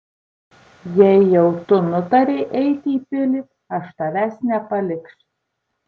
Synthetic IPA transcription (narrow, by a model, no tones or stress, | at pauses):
jɛɪjɛʊt̪ʊnʊt̪ɐɾʲɛɪʔɛɪt̪ʲiːpʲɪlʲɪ | ɐʃt̪ɐʋʲæːsʲnʲɛpɐlʲɪkʃ